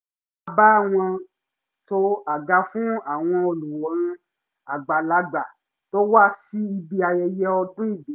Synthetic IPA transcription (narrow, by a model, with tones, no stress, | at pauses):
a˨ba˦a˦˨w̃ɔ̃˧ | to˦a˨ɡa˧˦fũ˦a˦˨w̃ɔ̃˧o˧lu˨wɔ˨˦ɾ̃ĩ˧ | a˨ɡ͡ba˨la˨˦ɡ͡ba˨ | to˦wa˦˨si˦i˧bi˧a˨jɛ˧jɛ˦ɔ˧tũ˦i˦˨bi˨˦